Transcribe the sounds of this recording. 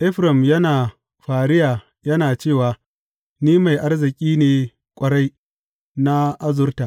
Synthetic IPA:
ʔɪ˦ɸɾɐ˨mjɐ˦naː˨ | ɸaː˨ɽɪ˦jaː˨ | jɐ˦naː˨t͡ʃeː˦˨waː˨ | niː˦ma˨jʔa˦rzɪ˨kʲʼiː˦neː˨ | kʷʼɐ˨ɽa˦j | na˦ʔa˦zʊ˦rta˨ʔ

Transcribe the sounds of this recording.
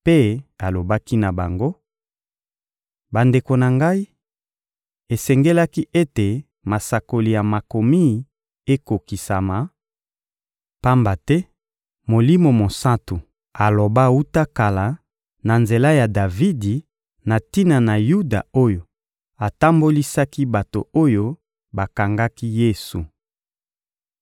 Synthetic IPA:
pe˦a˨lo˨ba˦ki˦na˨ba˨ŋɡo˦ | ba˨nde˨ko˨na˨ŋɡa˦i˦ | e˨sɛ˨ŋɡe˦la˦ki˦ʔe˦te˨ | ma˨sa˨ko˨li˨ja˨ma˨ko˨mi˦˨ | e˦ko˨ki˨sa˨ma˨ | pa˦mba˨tɛ˦ | mo˨li˦mo˨mo˨sa˦tu˨ | a˨lo˨ba˦wu˦ta˦ka˨la˨ | na˨nze˨la˦ja˨da˨vi˦di˨ | na˨ti˦na˨na˨ju˦da̰˨o˦jo˨ | a˨ta˦mbo˦li˦sa˦ki˦ba˨to˨o˦jo˦ | ba˨ka˨ŋɡa˦ki˦je˦su˨

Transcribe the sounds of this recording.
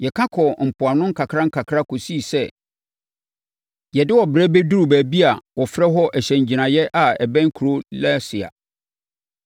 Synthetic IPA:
jɛ˨kʰã˦kʰɔ˨m̩˨pʰʊ˨a˨nʊ̃˦ŋ̩˦kʰa˨kʰɾa˦ŋ̩˦kʰa˨kʰɾa˦kʰo˨si˦˨sɛ˦ | jɛ˨dɪ˦wɔ˨bɾɛ˦bɛ˦du˦ɾu˨bæː˨bi˦a˨wɔ˨fɾɛ˦ɦɔ˦ʔɛ˨ɕɛ̃˨ɲ˨d͡ʑi˨nã˨jɛ˦ʔa˨ɛ˨bɛ̃˦ŋ˦kʰu˨ɾo˦lɛ˦sɪ˨a̰˨

